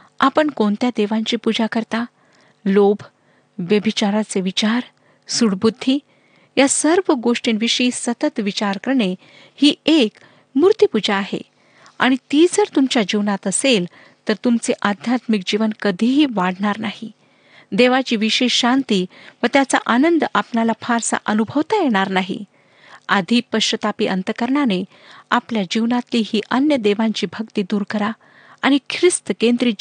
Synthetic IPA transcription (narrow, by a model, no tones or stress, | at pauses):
apəɳkoɳt̪jad̪eʋãɲt͡ɕiːpud͡ʑakəɾt̪a | lobʱ | ʋjəbʱit͡ɕaɾat͡seʋit͡ɕaɾ | suɽbud̪ʱːiː | jasəɾʋəɡoʂʈiːnʋiɕiːsət̪ət̪ʋit͡ɕaɾkəɾɳe | hiːek | muɾt̪ipud͡ʑaːɦḛ | a̰ɽ̃it̪id͡zəɾt̪umt͡ɕjad͡ʑiʋnat̪əsel | t̪əɾt̪umt͡seʔad̪ʱjat̪mik̚d͡ʑiʋənkəd̪ʱiɦiːʋaɽɳaɾnaɦi | d̪eʋat͡ɕiːʋiɕeɕɕant̪iːʋət̪jat͡sa̰ʔanənd̪apɳalapʰaɾsa̰ʔənubʱəʋt̪ajeɽ̃aɾnaɦḭ | ad̪ʱiːpəɕət̪apiːʔənt̪əkəɾɳane | apljad͡ʑiʋnat̪liːɦiːʔənjəd̪eʋaɲt͡ɕiːbʱəkt̪iːd̪uːɾkəɾa | aɽ̃ikʰɾist̪əkend̪ɾiː